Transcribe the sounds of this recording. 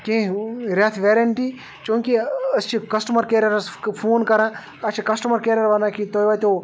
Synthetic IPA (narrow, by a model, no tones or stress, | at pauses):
kẽɾʲaːt̪ʰʋeːɾɐɳʈiː | t͡ʃõːŋkiɐst͡ʃʰikɐsʈɐmɐɾkeːɾɐɾspʰoːnkɐɾãː | ɐt͡ʃʰikɐsʈɐmɐɾkeːɾɐɾʋɐnãːkit̪oːjʋaːt̪oː